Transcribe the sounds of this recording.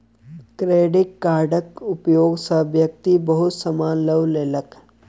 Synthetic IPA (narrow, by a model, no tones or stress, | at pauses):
kɾeːɖɪʈkaːɾɖəkʊpjoːɡsəbjək̚t̪ibəɦʊt̪səmaːnləʋleːlək